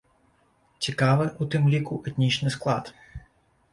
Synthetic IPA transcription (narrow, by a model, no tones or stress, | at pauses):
t͡sʲikaʋɨʔut̪ɪmlʲikuʔɛt̪ʲnʲit͡ʃnɨsklˠɑt̪